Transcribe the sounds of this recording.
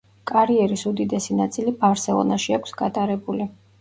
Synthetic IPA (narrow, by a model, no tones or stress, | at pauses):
kʼaɾiɛɾisud̪id̪ɛsinat̪sʼilibavɾsɛlˠɔ̰naʃiakʷʰsɡat̪ʼaɾɛbuli